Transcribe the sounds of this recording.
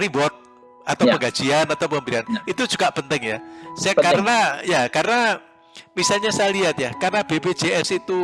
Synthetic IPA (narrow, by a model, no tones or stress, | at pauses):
ibɔt̪̚ | at̪awpəŋɡḁd͡ʒianat̪awpəmbɾianit̪ud͡ʒuɡapənt̪ɪŋjasakaɾənajakaɾəna | misalɲasaaliat̪̚jakarənab̥ebe̥d͡ʒeɛsit̪u